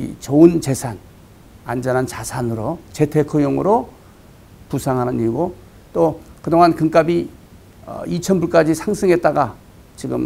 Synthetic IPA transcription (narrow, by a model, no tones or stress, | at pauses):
ḭt͡ɕoɯnt͡ɕe̞sʰan | a̰nd͡ʑʌnɦant͡ɕasʰanɯɾot͡ɕe̞tʰe̞kʰɯjoŋɯ̰ɾo | pusʰaŋɦanɯniɡo | t͈okɯdoŋɦankɯŋk͈abi | ʌ̰it͡ɕʰʌnbuɭk͈ad͡ʑisʰaŋsʰɯŋɦet̚t͈aɡa | t͡ɕiɡɯ̰m